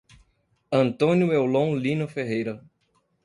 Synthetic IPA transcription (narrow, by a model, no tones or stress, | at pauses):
ɐ̃nt̪õnjʊewlõlĩnʊfeɦejɾɐ